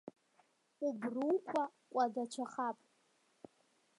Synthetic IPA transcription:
ubruwkʷʰakʷʼadat͡ʃʰaχapʼ

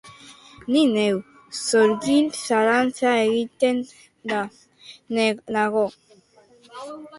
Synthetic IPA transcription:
ninew | soɾɡinsaɾansaeɣit̪en | da | nnaɣo

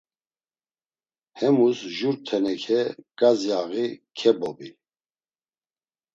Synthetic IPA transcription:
hɛmusʒuɾt̪ʰɛnɛkʰɛkʼazjaɣikʰɛbɔbi

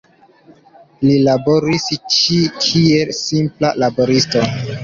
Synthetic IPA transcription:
lilabo̞ɾist͡ʃikʰielsimplalabo̞ɾisto

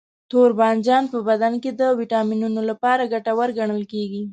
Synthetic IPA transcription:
t̪oɾbɑnd͡ʒɑnpəbad̪anked̪əwiʈɑminunolapɑɾaɡaʈawəɾɡaɳ̃əlkeɡi

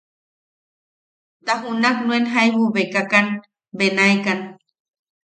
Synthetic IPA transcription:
t̪aɦunaknũenɦaeβuβekakan | benaekan

